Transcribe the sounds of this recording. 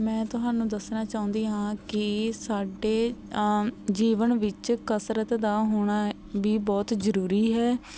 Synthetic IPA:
mɛ̃ːt̪ʊɦaːnũːd̪əsnaːt͡ʃaːʊ̃nd̪iːɦãːkɪsaːɖeː | d͡ʒiːʋənʋɪt͡ʃkəsɾət̪d̪aːɦoːɽ̃aː | ʋiːbɔːt̪zəɾuːɾiːɦɛː

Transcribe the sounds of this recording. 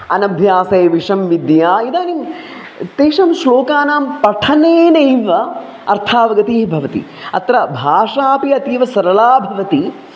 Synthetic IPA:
ɐnɐbʱjaːsɐjɐʋiʂɐmʋid̪jaːid̪aːnim | t̪eːʂɐmʃloːkaːnaːmpɐʈʰɐneːnɐjʋɐ | ɐ̰ɾt̪ʰaːʋɐɡɐt̪iːɦbʱɐʋɐt̪ḭ | ɐt̪ɾɐbʱaːʂaːpiɐt̪iːʋɐsɐɾɐlaːbʱɐʋɐt̪i

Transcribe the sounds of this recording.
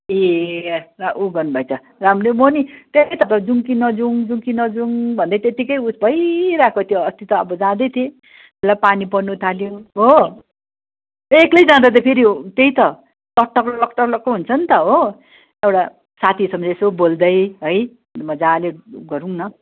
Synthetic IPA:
e | raʔuɡʌrnubʱʌjt͡sʰʌ | ramremonit̪et̪ʌt̪ʌd͡zuŋkinʌd͡zuŋd͡zuŋkinʌd͡zuŋbʱʌnd̪at̪et̪ikʌjut͡sbʱʌjɾakʰot̪ʰjoʌst̪it̪ʌʌ̰bʌd͡zãd̪ʌjt̪ʰje | elapanipʌnut̪ʰaljoɦo | eklʌjd͡zãd̪ʌt̪ʌpʰiɾit̪eɦĩt̪ʌ | t̪ʌʈːʌkllʌkʈʌklʌkːoɦunt͡sʰʌnt̪ʌɦo | ewɽa | sat̪ʰisʌmd͡zesobold̪ʌjɦʌj | mʌd͡zaleɡʌɾuŋnʌ

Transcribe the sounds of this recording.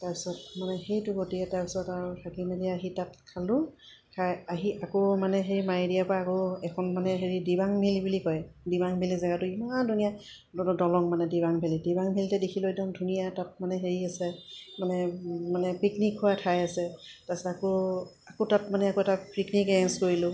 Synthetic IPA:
taɹpi̥sɔtmanɛxejtʊɡotiɛtaɹpi̥sɔtaɹutʰakimeliaɦitat̚kʰalʊ̃ | kʰajaɦiakomanɛɦeɹimajdijapaakoɛkʰɔnmanɛɦeɹidibaŋmilibulikɔjdibaŋbʱilizɛɡatʊimandʱunija | ɔdɔlɔŋmanɛdibaŋbʱelidibaŋbʱiltɛdekʰiloɛdɔŋdʱunijatat̚manɛɦeɹiasɛmanɛmanɛpiknikhʊwatʰajasɛtasako | akotatmanɛakoɛtapɹiknikɛɛnskoɹilʊ

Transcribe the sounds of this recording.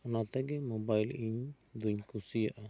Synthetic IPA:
ɔnat̪ɛɡɛmɔbailiɲ | d̪uɲkusijaʔa

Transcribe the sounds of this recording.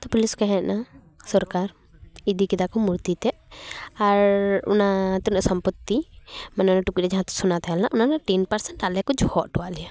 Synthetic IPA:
t̪ɔpuliskɛɦɛ̃t̪na | sɔɾkaɾ | id̪ikid̪akɔmuɾt̪it̪ɛaɾṵnat̪iɾɔsəmpət̪ːimanɛɔnaʈukiɾɛd͡ʒaɦãt̪ɛ̥sunat̪ʰɛɦɛlnaʔunanaʈɛnpəɾsɛɳʈalɛkɔd͡ʒɔhɔʔʈɔaʔlɛja

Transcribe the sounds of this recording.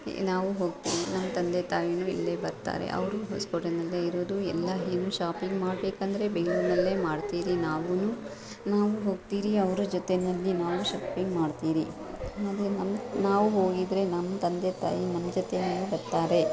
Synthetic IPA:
naːʋuɦo̞ːɡ̚t̪iːʋinɐmːɐt̪ɐnd̪et̪aːjinuːḭlːe̞bɐɾt̪a̰ːɾḛʔɐ̰ʋɾuɦoskoʈɐnɐlːeiɾoːd̪uɛlːɐɦeːnuːʃaːpiŋɡmaːɽbe̞ːkɐnd̪ɐɾe̞beŋɡɭuːɾnɐlːe̞ːmaːɖt̪iːɾinaːʋunuː | naːʋuɦo̞ːɡt̪iːɾiɐʋɾud͡ʒɔt̪enɐlːinaːʋuʃaːpiŋɡmaːɖt̪iːɾi | aːd̪enɐmnaːʋuɦo̞ːɡid̪ɾe̞nɐmːɐt̪ɐnd̪et̪a̰ːjinɐmːɐd͡ʒɔt̪enaːʋubɐɾt̪aːɾe̞

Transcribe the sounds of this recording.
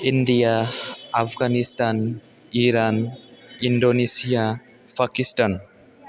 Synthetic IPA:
inɖijaː | pʰɡanistan | iɾaninɖonesija | pʰakisʈan

